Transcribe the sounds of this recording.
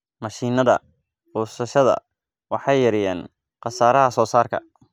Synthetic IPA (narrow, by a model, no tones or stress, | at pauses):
mɐʃiːnɐðɐ̰ | bɔːsɐʃɐðɐ̰ | wɑħɑjɐɾɪjɛːn | qɑsaːɾɐɦɐsɔːsaːrkʰɐ̰